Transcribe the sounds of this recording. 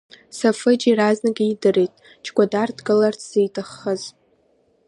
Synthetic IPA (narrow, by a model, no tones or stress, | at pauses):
safɨd͡ʒiraznaɡʲiidɨrejtʼ | t͡ʃʰʼɡʷadardɡɨlarʰz̥ijtʰʼaχːəz